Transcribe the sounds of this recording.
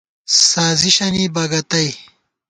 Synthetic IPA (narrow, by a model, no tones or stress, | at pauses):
saːziɕɐnibɐɡɐt̪ɐj